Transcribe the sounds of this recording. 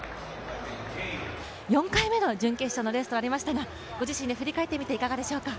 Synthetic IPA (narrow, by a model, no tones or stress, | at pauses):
jõ̞ŋkaime̞no̞d͡ʑɨ̃ŋke̞̥ɕono̞ɾe̞sɨ̥t̪oaɾʲimaɕi̥t̪aɡa | ɡ̥o̞ʑiɕĩnd̪e̞ɸɯ̟ɾʲikae̞t̪ːe̞mʲit̪e̞ikaɡad̪e̞ɕo̞ːka